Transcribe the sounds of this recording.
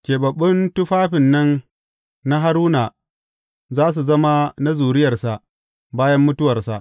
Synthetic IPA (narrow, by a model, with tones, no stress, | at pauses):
kʲeː˨bɐ˨ɓːʊ˦ntʊ˦ɸaː˦ɸɪ˨nːɐ˦n | na˦ɦa˦ɾuː˦na˨ | zaː˦s̬u˨zɐ˦ma˦na˦zuː˨ɾɪ˦jɐ˨rsa˨ʔ | baː˦jɐ˦mːʊ˦tʊ˦wɐ˨rsa˨ʔ